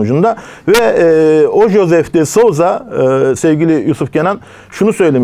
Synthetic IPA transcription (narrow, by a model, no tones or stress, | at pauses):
nud͡ʒund̪avɛ | oʒo̞zɛft̪esozasɛvɟʲilʲijusufcʰenan | ʃunusø̞jlʲem